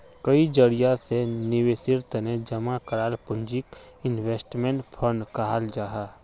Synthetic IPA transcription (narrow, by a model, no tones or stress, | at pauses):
kɐid͡ʒəɾijasenɪʋesɪɾt̪ned͡ʒɐmakɐɾaːlpʊ̃nd͡ʒikɪnʋeːsʈmẽɳʈpʰəɳɖkɐɦaːld͡ʒaːɦaː